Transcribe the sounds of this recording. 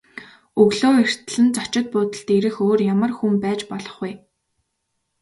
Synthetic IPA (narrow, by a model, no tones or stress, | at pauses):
ɵɣɮoːer̥t̪̆ɮɘ̆nt͡sɔt͡ɕɪ̆t̪̚pʊːt̪ə̆ɬt̪eɾɘ̆xoːrjamə̆rxumpæːt͡ɕpɔɮɞ̆χuj